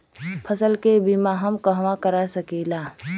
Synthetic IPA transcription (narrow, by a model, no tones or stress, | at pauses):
pʰəsəlkebimaɦəmkəɦʋãkəɾasəkiːlaː